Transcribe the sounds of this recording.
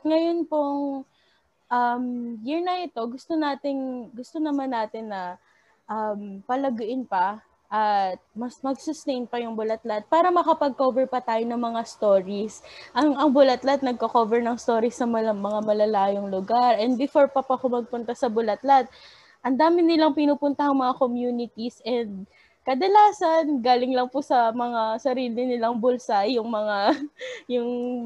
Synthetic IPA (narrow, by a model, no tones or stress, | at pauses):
ŋɐjo̞npoŋ | ʔɐmjɪɹnɐʔɪt̪o̞ɡʊst̪onaːt̪ɪŋɡʊst̪onɐmanːaːt̪ɪnːɐ | ʔɐmpɐlɐɡʊʔɪnpɐ | ʔɐt̪̚mɐsmɐɡsʊst̪ɛjnpɐjʊŋbʊlɐt̪lat̪̚paːɾɐmɐkɐpɐɡ̚kovɛɹpɐt̪aːjonɐŋmɐŋast̪o̞ːɹisʔɐŋɐŋbʊlɐt̪lat̪̚nɐɡ̚kɐko̞vɛɹnɐŋst̪o̞ːɾisːɐmɐmɐŋamɐlɐlaːjoŋlʊɡaɾʔɛnd̪̚bɪfo̞ɹpɐpɐkomɐɡ̚pʊnt̪asɐbʊlɐt̪lat̪̚ | ʔɐnd̪aːmɪnɪlɐŋpɪnuːpʊnt̪ɐhɐŋmɐŋakomjuːnɪt̪isʔɛnd̪̚ | kɐd̪ɐlaːsɐnɡaːlɪŋlɐŋpʊsɐmɐŋasɐɾiːlɪnɪlɐŋbʊlsajʊŋmɐŋajʊŋ